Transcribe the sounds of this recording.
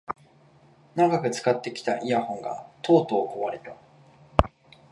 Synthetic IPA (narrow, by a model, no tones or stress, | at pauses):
naɡakɯ̟t͡sɨ̥kat̪ːe̞kʲi̥t̪aʔiahõ̞ŋɡa̰t̪o̞ːt̪o̞ːkoβaɾet̪a